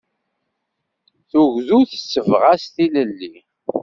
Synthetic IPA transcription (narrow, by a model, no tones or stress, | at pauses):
θuʝðuθə̥sːəvʁast̪iləlːi